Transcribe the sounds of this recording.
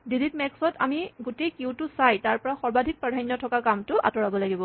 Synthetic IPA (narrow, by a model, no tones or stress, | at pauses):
dilitmɛksɔta̰miɡotejkiwtʊsajtaɹpɔɹaxɔɹbadʱik̚pɹadʱajnjɔtʰɔkakamtʊʔa̰tɔɹabɔlaɡibɔ